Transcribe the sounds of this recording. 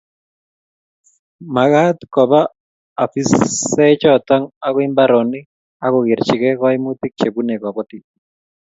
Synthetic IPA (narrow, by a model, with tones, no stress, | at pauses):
ma˨ɡa˦tkɔ˨baː˦˨ | fi˦sɛ˦t͡ʃɔt̪ɔ˦ŋa˦kɔ˦ɪ˦mba˦ɾɔ˨ni˦ | a˦kɔ˨ɡɪ˨ɾt͡ʃɪ˨kɛ˦kɔɪ˦mu˦t̪i˦k̚t͡ʃe˨bu˦ne˨kɔ˨kɔ˦ti˨